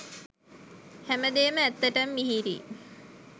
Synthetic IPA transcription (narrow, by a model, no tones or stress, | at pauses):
hæməd̪eːməæt̪ːəʈəmːiɦiɾḭ